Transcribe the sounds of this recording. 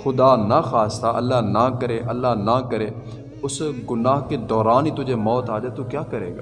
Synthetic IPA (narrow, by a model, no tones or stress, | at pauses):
xʊd̪aːnaxaːst̪aʔɐ̰lːaːnakəɾeːʔɐlːaːɦnakəɾeː | ʊsɡʊnaːɦked̪ɔːɾaːniːt̪ʊd͡ʒeːmɔːt̪aːd͡ʒaːet̪uːkjaːkəɾeːɡaː